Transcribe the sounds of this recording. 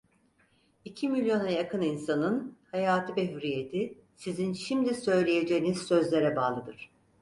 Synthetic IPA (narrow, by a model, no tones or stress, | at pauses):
icʰimilʲjo̞najakɯninsanɯnhajaːt̪ʰɯbeɦyɾije̞t̪ʰi | sizinʃimd̪isø̞jlʲeje̞d͡ʒejiniz̥sø̞zlʲeɾɛbaːlˠɯd̪ɯɾ̥